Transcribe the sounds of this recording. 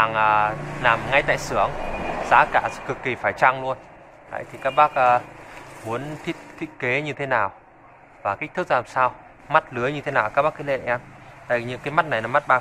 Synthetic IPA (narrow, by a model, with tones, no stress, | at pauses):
a˨˩ŋʔaː˨˩laː˨˩mŋa˧jt̪a̰ː˧˨jsɨ˨˦əŋza̰ː˨˦kaː˧˩sɛ̰˧˥kɨ˨˩kːi˨˩faː˧˩jt͡ɕa˧ŋlu˧ən | t̪a̰˧˨jt̪ʰi˨˩kaː˦˥k̚ɓaː˦˥k̚ʔaː˧mu˨˦ənt̪ʰi˦˥ət̚t̪ʰi˦˧˥t̚ke˨˦ɲɨ˧t̪ʰe˨˦naː˨˩w | vaː˨˩ka˦˥k̚t̪ʰɨ˦˥k̚laː˨˩msaː˧w | ma˦˥t̚lɨ˨˦əjɲɨ˧t̪ʰe˨˦naː˨˩kaː˦˥k̚ɓaː˦˥kə˨˦lḛ˧˨ʔɛ˧mt̪a̰˧˨ɲɨ˧˥ŋkaː˨˦jma˦˥t̚na˨˩jnɔ˨˦ma˦˥t̚ɓaː˧